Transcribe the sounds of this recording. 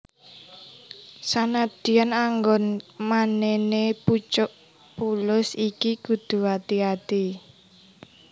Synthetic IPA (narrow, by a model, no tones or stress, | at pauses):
sanad̪̥i̤anaŋɡɔnmaneneput͡ʃʊʔ | pulʊsikiɡ̥ud̪̥ṳat̪iat̪i